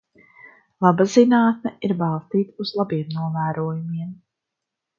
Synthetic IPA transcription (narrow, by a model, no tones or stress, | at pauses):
lˠabazinaːt̪̚mʲɛiɾbalˠst̪iːt̪uz̥lˠabiɛmnuɔvæːɾuɔjumiɛm